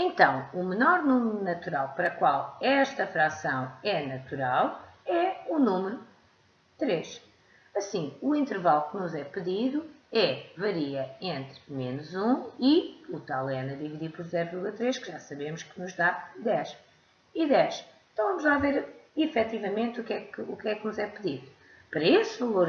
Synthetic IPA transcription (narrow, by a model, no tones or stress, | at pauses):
ẽnt̪ɐ̃w̃umɨnɔɾnumɾunɐt̪uɾalˠpɐɾɐkwalˠɛʃt̪ɐfɾasɐ̃w̃ɛnɐt̪uɾalˠɛunumɨɾu | t̪ɾeʃ | ɐsĩuĩnt̪ɨɾvalˠknuzɛpɨðiðuɛvɐɾiɐẽnt̪ɾmenuzũiut̪alˠɛnɐðiviðipɔɾzɛɾʁiɣɐt̪ɾeʃkɨʒasɐβemʊʃkɨnuʒðad̪ɛʃ | iðɛʃẽt̪ɐ̃w̃vɐmuʒðaveɾifɛt̪ivɐmẽnt̪ukɛkɨukɛknuzɛpɨðiðu | pɐɾɐesvɐlˠoɾ